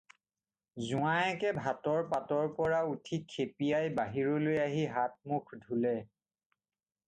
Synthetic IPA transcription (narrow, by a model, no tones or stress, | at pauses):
zuaɛkɛbʱatɔɹpatɔɹpɔɹautʰikʰːepiajbaɦiɹolojaɦiɦat̚mukʰdʱulɛ